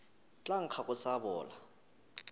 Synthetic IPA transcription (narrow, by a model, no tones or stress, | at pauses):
t͡ɬʼaŋ̩kʰakʼʊsaβɔːla